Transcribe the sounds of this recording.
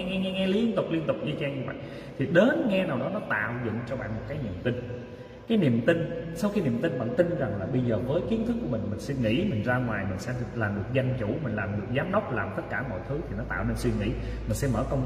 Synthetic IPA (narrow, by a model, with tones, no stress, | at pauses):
ŋɛ˧ŋɛ˧ŋɛ˧li˧˦˧ənt̪ʊ˨˩k͡p̚li˧ənt̪ʊ˨˩k͡p̚ʔɨ˧t͡ɕaː˧ŋɲɨ˧və̰˧˨j | t̪ʰi˨˩ɗe˨˦nŋɛ˧naː˨˩wɗɔ˨˦nɔ˨˦t̪a̰ː˧˨wzʊ̰˧˨ŋt͡ɕɔ˧ɓa̰ː˧˨nmo˨˩t̚kaː˨˦jnḭ˧˨əmt̪ï˧n | kaː˨˦jni˨˩əmt̪ï˧nsa˧wxi˧ni˨˩əmt̪i˧nɓa̰ː˧˨nt̪ï˧nza˨˩ŋlaː˨˩ɓə˧jzəː˨˩vəː˨˦jki˨˦ənt̪ʰɨ˦˥k̚ːu˧˩əmï˨˩ŋ̟mï˨˩ŋ̟swi˧nŋḭ˧˥mï˨˩ŋ̟zaː˧ŋwaː˨˩jmï˨˩ŋ̟sɛ̰˧˥laː˨˩mɗɨ˨˩ək̚za˧jŋ̟t͡ɕu˧˩mï˨˩ŋ̟laː˨˩mɗɨ˨˩ək̚zaː˨˦mɗə˦˥wk͡p̚laː˨˩mt̪ə˦˥t̚kaː˧˩mɔ̰˧˨jt̪ʰɨ˨˦t̪ʰi˨˩nɔ˨˦t̪a̰ː˧˨wne˧nswi˧mŋḭ˧˥ | mi̟˨˩sɛ̰˧˥mə̰ː˧˩kə˧wŋ͡m